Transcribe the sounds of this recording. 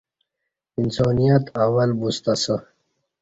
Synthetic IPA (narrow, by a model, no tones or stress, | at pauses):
insoːnijat̪awɐlbust̪asə